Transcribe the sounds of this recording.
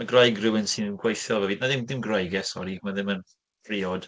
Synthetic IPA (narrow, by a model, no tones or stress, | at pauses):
maɡrajɡrɪwɪnsɪnɡwajθjɔlˠvɛviːdmaðɪmðɪmɡrajɡɛsɔɾiɡmaðɪmən | pʰriːɔd̥